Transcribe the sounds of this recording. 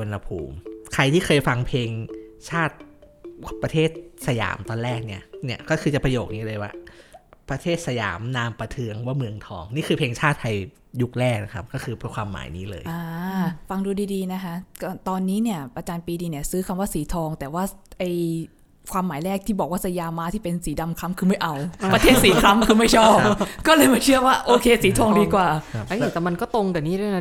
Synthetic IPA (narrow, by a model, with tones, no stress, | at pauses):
o˧nha˧pʰṵː˧˩mkʰa˧jt̪ʰiː˥˩kʰɤː˧jfa˧ŋpʰeː˧ŋt͡ɕʰaː˥˩t̪̚ | pɾa˧t̪ʰeː˥˩t̪̚sa˧ja̰ː˩˦mt̪ɔː˧nlɛː˥˩k̚ni˥˩ɐni˥˩ɐkɔː˥˩xʰɯː˧t͡ɕa˨˩pɾa˧joː˨˩k̚niː˦˥˩lɤː˧jwaː˧˥˩pɾa˧t̪ʰeː˥˩t̪̚sa˧ja̰ː˩˦mnaː˧mpa˧t̪ʰɯ˧əŋwaː˥˩mɯ˧əŋt̪ʰɔ̰ː˧ŋniː˥˩kʰɯː˧pʰeː˧ŋt͡ɕʰaː˥˩t̪̚ʰːa˧j | ju˦˥k̚lɛː˥˩k̚na˦˥kʰa̰˦˥p̚kɔː˥˩kʰɯː˧pkʰwaː˧mːa̰ː˩˦jnḭː˦˥lɤ̰ː˧jʔaː˧fa˧ŋduː˧diː˧diː˧na˦˥kʰa˦˥ʔkɔ˥˩t̪ɔː˧nːiː˦˥ni˥˩ɐʔa˧t͡ɕaː˧npiː˧diː˧ni˥˩ɐsɯː˦˥kʰa˧mwaː˥˩siː˩˦t̪ʰɔː˧ŋt̪ɛː˨˩waː˥˩ʔa˧j | kʰwaː˧mːaː˩˦jlɾɛː˥˩k̚t̪ʰiː˥˩bɔ˨˩k̚waː˥˩sa˧jaː˧mːaː˦˥t̪ʰiː˥˩pe˧nsiː˩˦da˧mkʰa˦˥mkʰɯː˧ma˥˩jʔa˧wɾa˧eː˥˩t̪siː˩˦kʰɾa˦˥mkʰɯː˧ma˥˩jt͡ɕʰɔː˥˩pkɔː˥˩lɤː˧jma˧˩t͡ɕʰɯ˥˩ɐwaː˥˩ʔoː˧kʰeː˧siː˩˦t̪ʰɔː˧ŋdiː˧kwaː˨˩˦a˦˥˩t̪ɛː˨˩ma˧nkɔː˥˩t̪o˧ŋt̪ɛː˨˩niː˥˩da˥˩